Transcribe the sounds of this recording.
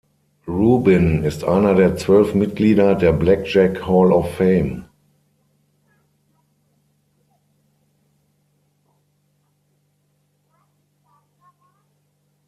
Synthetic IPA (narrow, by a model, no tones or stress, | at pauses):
ʁuːbɪnɪstʔa̰ɪnɐdeːɐt͡sv̥œlfmɪt̚ɡ̥liːdɐdeːɐblɛk̚d͡ʒɛkhɔlɔfːeɪm